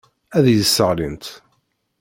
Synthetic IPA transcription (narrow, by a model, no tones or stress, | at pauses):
æðjəsːəʁlint̪